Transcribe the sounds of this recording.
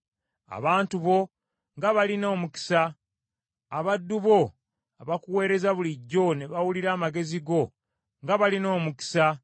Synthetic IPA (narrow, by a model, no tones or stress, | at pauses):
a̰βaːntuβo̞ | ŋɡaβalino̞ːmuki̥saː | βadːuβo̞ | aβakuwe̞ːɾe̞zaβuliɟːo̞neβawuliɾaːmaɡe̞ziɡo̞ | ŋɡaβalino̞ːmuki̥sa